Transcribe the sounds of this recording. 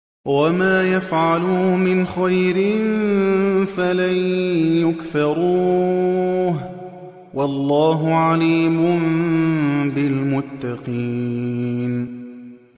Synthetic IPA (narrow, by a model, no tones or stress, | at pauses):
wamaːjafʕalʊmɪnxajɾɪn | falajjʊkfɑɾˤuː | ɦ | wʔɑlˤːɑːɦʊʕaliːmʊm | bɪlmʊt̪ːɑqiː | n